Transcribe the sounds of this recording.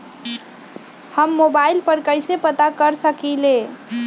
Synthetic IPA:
həmːobailpəɾkəɪsepət̪akəɾsəkile

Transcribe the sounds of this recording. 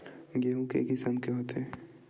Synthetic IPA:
ɡeɦũkḛɡɪsəmkeɦot̪eː

